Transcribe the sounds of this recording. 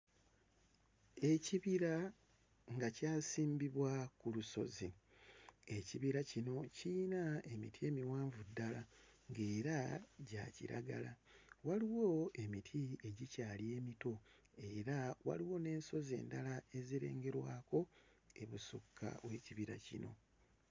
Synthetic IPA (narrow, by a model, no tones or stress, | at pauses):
e̞ciβiɾa | ŋɡacaːsiːmbiβwakuluso̞̰zi | e̞ciβiɾacino̞cinae̞mitʰie̞miwaːɱvudːalaŋɡe̞ːɾaɟa̰cḭɾa̰ɡa̰lawaliwo̞e̞mitʰie̞ɟicaːlie̞ːmito̞ | e̞ɾawa̰liwo̞ne̞ːnso̞ze̞̰ːndalae̞ziɾe̞̰ːŋɡe̞ɾwaːko̞ | e̞βusukʰːa̰we̞ciβiɾa̰cino̞̰